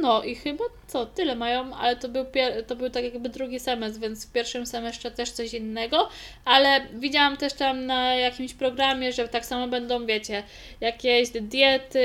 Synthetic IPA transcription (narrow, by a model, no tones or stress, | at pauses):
nɔʔixɘbatt̪sɔt̪ɘlɛmajɔ̃ma̰lɛt̪ɔbɘwpʲjɛɾt̪ɔbɘwt̪akjaɡbɘd̪ɾuɡʲisɛmɛsvʲjɛnt̪sfpʲjɛɾfʂɘmsɛmɛsʂɛt̪ɛʂt̪sɔɕinːɛɡɔʔalɛvʲid͡ʑawamt̪ɛʂt̪amnajakʲimɕpɾɔɡɾamʲjɛʐɛt̪aksamɛbɛnd̪ɔ̃w̃vʲjet͡ɕɛ | jakʲeɕd̪jɛt̪ɘ